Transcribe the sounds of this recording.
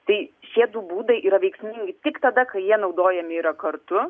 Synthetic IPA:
t̪ɐɪʃʲiɛd̪uːbuːd̪ɐɪʔiːɾɐʋʲɛɪksʲmʲɪŋʲɡʲɪt̪ʲɪkt̪ɐd̪ɐkɐɪjiɛnɒʊd̪oːjɛmʲɪiːɾɐkɐɾt̪ʊ

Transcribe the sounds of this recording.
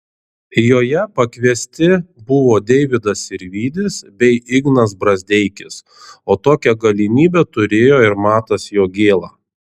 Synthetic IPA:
joːjɛpɐkʋʲiɛsʲt̪ʲɪbʊʋoːd̪ʲɛɪʋʲɪd̪ɐsɪɾʲʋʲiːd̪ʲɪsbʲɛɪɪɡnɐsbɾɐzʲd̪ʲɛɪkʲɪs | oːt̪oːkʲɛɡɐlʲɪmʲiːbʲɛt̪ʊɾʲeːjoːɪɾmɑːt̪ɐsjoːɡʲeːlˠɑː

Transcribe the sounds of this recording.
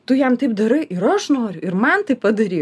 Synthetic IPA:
t̪ʊjɛmt̪ɐɪp̚d̪ɐɾɐɪʔɪɾɐʃnoːɾʲʊɪrmɐnt̪ɐɪppɐd̪ɐɾʲiː

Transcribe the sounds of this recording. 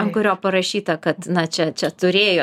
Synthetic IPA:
ŋkʊɾʲoːpɐɾɐʃʲiːt̪ɐkɐt̪nɐt͡ʃʲɛt͡ʃʲɛt̪ʊɾʲeːjoː

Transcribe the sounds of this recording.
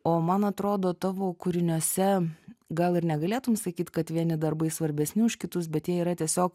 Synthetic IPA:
oːmɐnɐt̪ɾoːd̪oːt̪ɑːʋoːkʊɾʲɪnʲuɔsʲɛɡɐlˠɪɾnʲɛɡɐlʲeːt̪ʊmsɐkʲiːt̪ʲkɐt̪ʋʲiɛnʲɪd̪ɐrbɐɪsʋɐɾʲbʲɛsʲnʲɪʊʃʲkʲɪt̪ʊsbʲɛt̪jiɛiːɾɐt̪ʲiɛsʲoːk

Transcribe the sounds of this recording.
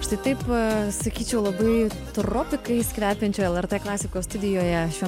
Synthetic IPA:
ɐʃt̪ɐɪt̪ɐɪpsɐkʲiːt͡ʃʲɛʊlˠɐbɐɪt̪roːpʲɪkɐɪsʲkʋʲæːpʲɛnʲt͡ʃʲoːjɛlˠɛɾt̪eːklˠɑːsʲɪkoːst̪ʊd̪ʲɪjoːjɛʃʲʋʲi

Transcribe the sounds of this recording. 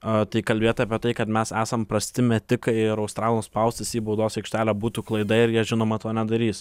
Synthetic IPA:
ɐt̪ɐɪkɐlʲbʲeːt̪ʲɐːpʲiɛt̪ɐɪkɐt̪mʲɛsæːsɐmpɾɐsʲt̪ʲɪmʲɛt̪ʲɪkɐɪɪɾɐʊst̪ɾɑːlˠnoːspɐʊsʲt̪ʲɪsʲiːbɐʊd̪oːsɛɪkʃʲt̪ʲæːlʲæːbuːt̪uːklˠɐɪd̪ɐɪɾjiɛʒʲɪnoːmɐt̪oːnʲɛd̪ɐɾʲiːs

